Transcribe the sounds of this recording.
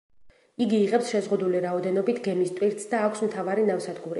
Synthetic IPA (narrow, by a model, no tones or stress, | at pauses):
iɡiːʁɛpsʃɛzʁud̪uliɾaɔd̪ɛnɔbit̪ʰɡɛmist̪ʼwiɾt̪sd̪aːkʷʰsmt̪ʰavaɾinafsad̪ɡuɾḭ